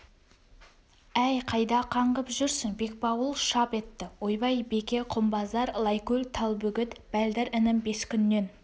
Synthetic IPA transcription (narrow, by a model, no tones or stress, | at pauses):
æjqʰɑjd̪ɑqʰɑɴʁəpʒʏɾsɪŋbe̞k̚bɑwəlˠʃɑpe̞t̪ːɪwojbɑjbe̞kʲe̞qʰʊmbɑzɑɾlˠɑjkɵlʲt̪ʰɑlˠbɵɡʲɪt̪b̥æld̪ɪɾɪnɪmbe̞skʲʰʏnːe̞n